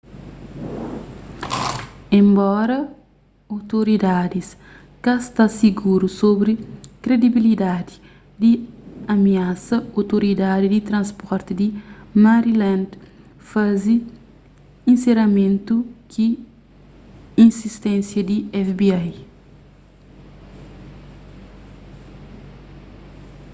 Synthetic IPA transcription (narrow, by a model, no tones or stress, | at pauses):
ẽmbɔɾɐ | owt̪oɾid̪ad̪is | kɐst̪asiɡuɾusobɾikɾed̪ibilid̪ad̪i̥ | d̪iɐmiasɐowt̪oɾid̪ad̪id̪it̪ɾɐ̃nspɔɾt̪id̪imaɾilãnd̪ | fazi | ĩnseɾɐmẽnt̪uki | ĩnsist̪ɛ̃nsjɐd̪iɛfbiaj